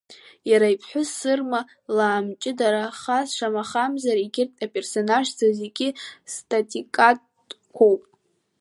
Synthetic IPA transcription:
jaɾaipʰħʷʊsɨrma | laːmt͡ʃʼɪdaɾaχazʂamaχamzaɾiɡʲɪrtʼapʼe̞rso̞naʒd͡zazeɡʲɪstʼatʼikʼat | kʷʰowpʼ

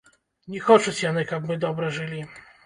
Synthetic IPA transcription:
ɲɛxɔt͡ʂɨsjanɛkabmɘd̪ɔbɾɛʐɘlʲi

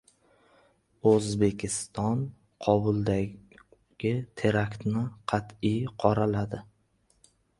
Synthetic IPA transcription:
ɵzbe̞kʲʰɪst̪ʰɒn | qʰɒbʊlˠd̪a | ɡ̥ʲɪt̪ʰeɾakt̪nɪqʰɑt̪ɪjqʰɒɾalad̪ɪ

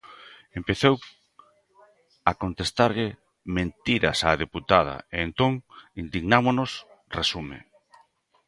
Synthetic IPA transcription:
empeθow | akont̪est̪aɾʎɪ | mẽnt̪iɾɐ̰saːðeput̪að̞ɐ̰eːnt̪õŋind̪iɣnamonos | resumḛ

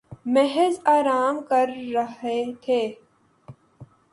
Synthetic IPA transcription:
mɛɦezaːɾaːmkɐɾːɐɦet̪ʰeː

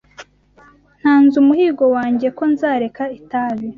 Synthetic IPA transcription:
n̥haːnzumuhiːɡo̞waːɲɟeko̞nzaːɾe̞kaitaːβi

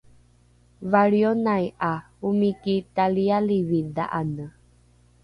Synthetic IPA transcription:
ʋaɾionajʔa | umĩkit̪alialiʋiða̰ʔanə

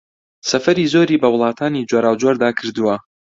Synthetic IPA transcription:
sɐfɐɾizoːɾiːbɐwʊlˠɑːt̪ʰaːnid͡ʒwaɾaːwd͡ʒoɾd̪aːkʰɨɾd̪ɨwɐ

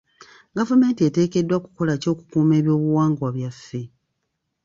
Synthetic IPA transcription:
ɡavume̞ːntie̞te̞ːke̞dːwaku̥ko̞laco̞ːku̥kuːme̞ːβjo̞ːβuwaːŋɡwaβjafːe̞

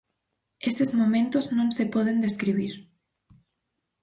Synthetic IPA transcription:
esezmomẽnt̪oznõŋsepɔðend̪eskɾiβ̞iɾ

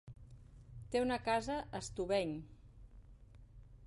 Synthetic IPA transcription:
t̪eunəkazəəst̪uβɛɲ

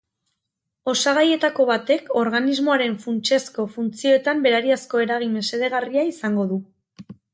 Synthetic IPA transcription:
o̞saɣ̞aje̞t̪ako̞βat̪e̞ko̞ɾɣanizmo̞aɾe̞ɱfunt͡ʃe̞sko̞funt͡sio̞et̪ambe̞ɾaɾiasko̞e̞ɾaɣ̞ime̞se̞ðe̞ɣ̞ariaisaŋɡo̞ðu

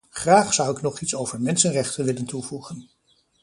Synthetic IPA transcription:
χraːχsʌwɪknɔχitsowvəɹmɛnsənrɛχtəʋɪləntuvuχən

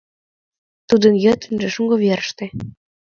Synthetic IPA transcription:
t̪ud̪ənjøt̪ənʒĕʃuŋɡoβeɾəʃt̪e

